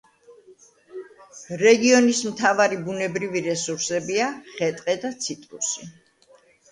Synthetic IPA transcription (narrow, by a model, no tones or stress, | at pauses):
ɾɛɡiɔnismt̪ʰavaɾibunɛbɾiviɾɛsuɾsɛbiaχɛt̪ʼqʼɛd̪at̪sʰit̪ʼɾṵsi